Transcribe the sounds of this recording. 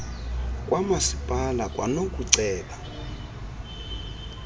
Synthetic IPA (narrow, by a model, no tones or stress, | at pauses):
kʼwʔamasipʼalakʼwa̰nok̬ʼuǀɛːla